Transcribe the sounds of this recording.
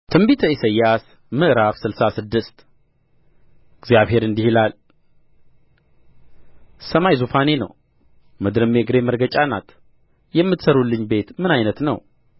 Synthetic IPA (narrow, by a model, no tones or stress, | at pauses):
t̪ʰɨmbit̪ʰəisəjːas | mɨʔɾafsɨlsasɨd̪ːɨst̪ | ɨɡzjaβhe̞ɾɨnd̪ihilal | səmajzufane̞nə̰w | mɨd̪ɾɨmeɡɾe̞məɾɡət͡ʃʼana̰t̪ʰʼ | jɛmːɨt̪səɾulːɨɲːbe̞t̪mɨnajnət̪nəw